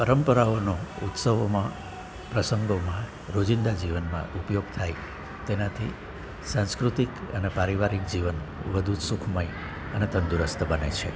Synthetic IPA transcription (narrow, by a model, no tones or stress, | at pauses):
pəɾəmpəɾaonout̪səʋomã | pɾəsəŋɡomã | ɾod͡ʒind̪ad͡ʒiʋənmã̰ʔupjoɡt̪ʰai | t̪enãt̪ʰḭ | sãnskɾut̪ikə̰nepaɾiʋaɾik̚d͡ʒiʋən | ʋəd̪ʱusukʰməi | ənet̪ənd̪uɾəst̪ʰbənḛt͡ʃʰḛ